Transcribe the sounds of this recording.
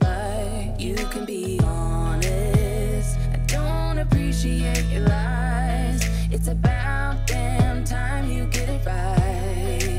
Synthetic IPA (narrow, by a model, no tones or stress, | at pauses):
a | ɪ | jɨkʰɨ̃nbi | ɑ | nɨ | st | ɨd̥õʊ̃ntɨpʰɹ̥iʃieɪt͡ʃə˞a | ɪ | z | ɨtsɨba | ʊt̪̚ðɨ̃mtʰãɪ̃mjɨɡɛɾɨɹa | ɪ